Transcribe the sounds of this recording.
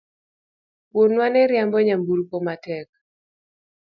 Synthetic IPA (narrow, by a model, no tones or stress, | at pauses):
wonwanɛɾjambɔɲambuɾpomatɛk̚